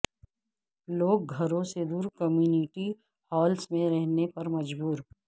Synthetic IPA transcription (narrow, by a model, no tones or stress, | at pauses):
loːk̚ɡʱɐɾõsed̪uːɾkɐmjuːniʈi | hɔːlsmẽɾɛɦnepɐɾmɐd͡ʒbuːɾ